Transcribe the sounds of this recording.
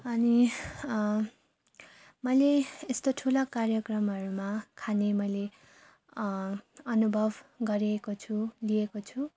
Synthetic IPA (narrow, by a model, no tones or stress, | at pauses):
ʌni | mʌjleːst̪oʈʰulʌkarjʌkrʌmɦʌɾumakʰanemʌjle | ʌnubʱʌbʱɡʌɾiekot͡sʰuliekot͡sʰu